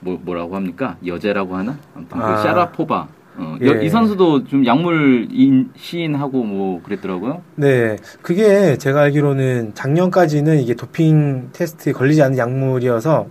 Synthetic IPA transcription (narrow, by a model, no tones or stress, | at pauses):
momʌɾaɡoɦamɲik͈ajʌd͡ʑeɾaɡoɦanaamtʰɯaeɕ͈aɾapʰoba̰ | ʌʌisʰʌns̬ʰudot͡ɕomjaŋmuɾinɕʰiːnɦaɡomwʌkɯɾet͈ʌɾaɡojone̞kɯɡe̞t͡ɕe̞ɡaaɭɡiɾonɯnt͡ɕaŋɲʌnk͈ad͡ʑinɯniɡe̞topʰiŋtʰe̞sʰɯ̥tʰɯekʌʎːid͡ʑianːɯnjaŋmuɾijʌsʰʌ